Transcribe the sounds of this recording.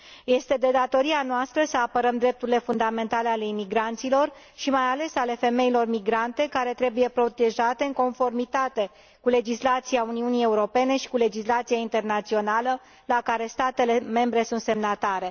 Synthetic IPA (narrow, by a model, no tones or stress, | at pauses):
je̞st̪e̞d̪e̞d̪at̪o̞ɾianoast̪ɾəsəapəɾəmd̪ɾe̞p̚t̪uɾile̞fund̪ame̞nt̪ale̞ale̞imiɡɾant̪silo̞r | ʃimajale̞sale̞fe̞me̞ilo̞rmiɡɾant̪e̞kaɾe̞t̪ɾe̞buje̞pɾo̞t̪e̞ʒat̪e̞ɨŋko̞nfo̞rmit̪at̪e̞ | kule̞d͡ʒislat̪siauniunie̞uɾo̞pe̞ne̞ʃi̥kule̞d͡ʒislat̪sijaint̪e̞rnat̪sio̞nalə | lakaɾe̞st̪at̪e̞le̞me̞mbɾe̞sunt̪se̞mnat̪aɾe̞